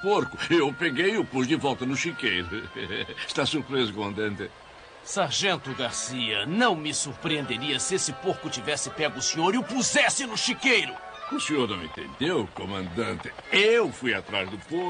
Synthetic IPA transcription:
poɾkʊewpeɡejʊpozd̪ɪvɔlˠt̪ɐnʊʃikejɾʊ | ʃt̪asuɾpɾezʊkomɐ̃nd̪ɐ̃nt̪ɪ | saɾʒẽnt̪ʊɡaɾsiɐnɐ̃w̃mɪsuɾpɾiẽnd̪eɾiɐsɪesɪpoɾkʊt͡ʃivɛsɪpɛɡʊsĩɲoɾiʊpuzɛsɪnʊʃikejɾʊ | ʊseɲoɾnɐ̃w̃ḛ̃nt̪ḛ̃nd̪ewkomɐ̃nd̪ɐ̃nt̪ɪewfujat̪ɾazd̪ʊpoɾ

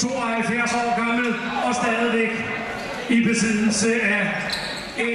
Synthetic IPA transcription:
t͡sʰo̝ːɒɦælfjæɐsɒ̰ːɡ̥ɑ̈ml̩ | ɒ̽sd̥ɛðˠð̩ˠʋeɡ̥ | ib̥e̝sið̰ˠl̩səæ | e

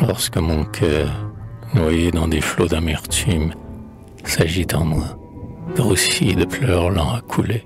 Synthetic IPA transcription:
lɔʁskəmɔ̃kʲʰœʁnwajed̪ɑ̃d̪eflod̪amɛʁt̪ʰym | saʒit̪ɑ̃mwa | d̪̥əʁusid̪əplœʁlɑ̃akʰule

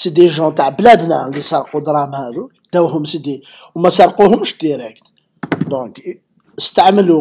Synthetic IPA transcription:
sid̪iʒɑ̃t̪aʕblæd̪nælisɑɾˤqud̪ɾˤɑmhæd̪ukd̪æwhʊmsid̪i | wmæsɑɾˤquhʊmʃd̪iɾəkt̪ | d̪ɔ̃k | əst̪aʕməlu

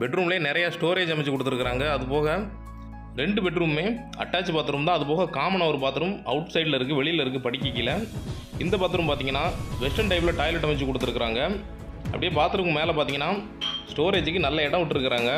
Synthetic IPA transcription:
bɛʈrɾuːmɪleːnɪɾɐjaːsʈoːɾeːd͡ʒɐmɪt͡ʃːɯkɔɽɯt̪ːɯɾɯkːɪɾaːŋɡɐːðɯpoːɣɐ | ɾɛɳɖɯbɛʈɾuːmːeː | ɐ̰ʈːaːt͡ʃːɯpaːt̪ːɯɾuːmt̪ãːɐðɯpoːɣɐkaːmɐnaːʋɐɾɯpaːɾt̪ːɯɾɯmɐ̰ʋʊʈsɐɪɖlɐɪɾɯkːɯʋɛɭɪjlɐɪɾɯk̬ːɯpɐɽɪkːɪkːɪlːɐ | ɪnd̪ɐpaːt̪ɯɾɯmpaːɾt̪iːŋɡɐnːaːʋɛsʈɐnʈɐɪp̬ɪlɐʈaːɪlɛʈːɐmɪt͡ʃːɯkːɔɽɯt̪ːɯɾɯkːɪɾaːŋɡɐ | ɐpɐɽɪjeːpaːɾt̪ɯɾɯkːɯmeːlɐpaːt̪iːŋɐnːaː | sʈoːɾeːd͡ʒɯkːɯnɐlːɐɪɽɐ̃ʋɪʈːɪɾɯkːɪɾaːŋɡɐ

